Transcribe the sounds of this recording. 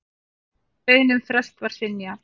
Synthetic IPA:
peːjnʏmfɾɛst̪vaɾ̥sɪnja

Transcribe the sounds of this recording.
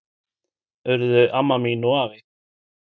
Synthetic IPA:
œɾðʏʔamːaminɔaːvɪ

